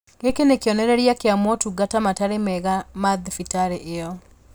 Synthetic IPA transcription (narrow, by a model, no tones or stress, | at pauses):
ɡekenekjɔnɛɾɛɾjakeamwɔtuɡatamataɾemɛɣamaðfitaɾeʔejɔ